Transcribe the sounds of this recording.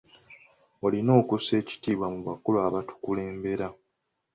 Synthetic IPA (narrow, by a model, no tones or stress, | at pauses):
o̞lino̞ːkuse̞ːci̥tiːβwamuβakulwaβatu̥kule̞ːmbe̞ɾa